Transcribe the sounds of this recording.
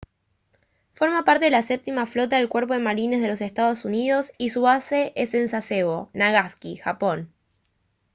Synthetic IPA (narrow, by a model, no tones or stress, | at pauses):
fo̞ɾmapaɾt̪e̞ðelasep̚t̪imaflo̞t̪aðe̞lkweɾp̬o̞ð̞emaɾinezðelo̞sest̪að̞o̞suniðo̞sisuβase̞ʔesensaseβonaɣaskixapo̞n